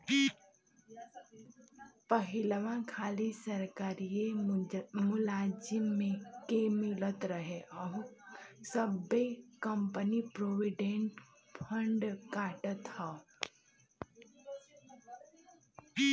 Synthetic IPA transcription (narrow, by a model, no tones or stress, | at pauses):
pəɦɪləʋãkʰaːlisəɾkaːɾie | mʊlaːd͡ʒɪmːẽkemɪlət̪ɾəɦeʔɔːɾsəbːekəmpənipɾoːʋɪɖẽɳʈ | pʰə̃ɳɖkaːʈət̪hɔː